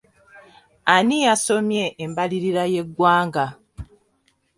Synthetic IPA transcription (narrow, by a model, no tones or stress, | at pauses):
anijaso̞mje̞ʔːmbaliɾiɾaje̞ɡwaːŋɡa